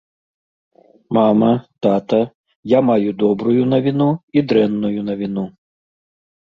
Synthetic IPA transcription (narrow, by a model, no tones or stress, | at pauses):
mamɐt̪at̪ɐ | jamajud̪ɔbɾujunɐvʲinuid̪ɾɛnːujunɐvʲinu